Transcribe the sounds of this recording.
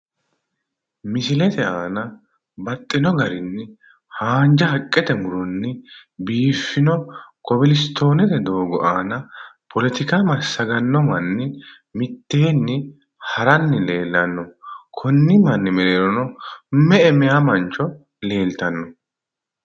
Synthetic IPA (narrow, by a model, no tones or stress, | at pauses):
mɪsɪlɛt̪ɛʔaːnɐ | bɐt̪ʼːɪnɔɡɐɾɪnːɪ | haːnd͡ʒɐhɐkʼːɛt̪ɛmʊɾɔnːɪbiːfːɪnɔkɔbɪlɪst̪ːo̞ːnɛt̪ɛd̪o̞ːɡɔʔaːnɐpʰɔlɛt̪ɪkamɐsːɐɡɐnːɔmɐnːɪ | mɪt̪ːe̞ːnːɪ | hɐɾɐnːɪle̞ːlːɐnːɔkʰɔnːɪmɐnːɪmɛleːɾɔnɔmɛɛmɛjamɐnt͡ʃːɔ | le̞ːlt̪ɐnːɔ